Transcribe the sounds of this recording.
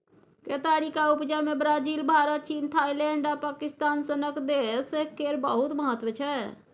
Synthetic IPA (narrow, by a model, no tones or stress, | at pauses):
keːt̪aːɽikaʊpd͡ʒaːmẽbɾaːd͡ʒiːlbʱaːɾət̪̚t͡ʃiːnt̪ʰaːilɛ̃ːɳɖapaːkɪst̪aːnsənəkd̪esekːeːɾbəɦʊt̪məɦət̪ʋət͡ʃʰɛː